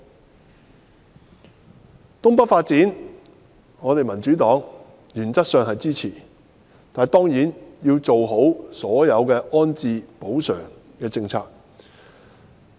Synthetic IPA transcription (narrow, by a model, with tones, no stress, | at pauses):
t̪ʊ˥ŋpɐ˥t̚faː˧t̚t͡siː˨˥n | ŋɔː˨˧t̪e˨jmɐ˨˩nt͡ʃyː˨˥t̪ɔː˨˥ŋ | jyː˨˩nt͡sɐ˥t̚sœː˨ŋɦɐ˨jt͡siː˥t͡sʰiː˨˩ | t̪aː˨njt̪ɔː˥ŋjiː˨˥njiː˧wt͡so˨wɦo˨˥wsɔː˨˥jɐ˨˧wkɛː˧ʔɔː˥nt͡siː˨˧po˨˥wsœː˨˩ŋ | kɛː˧t͡sɪ˧ŋt͡sʰaː˧k̚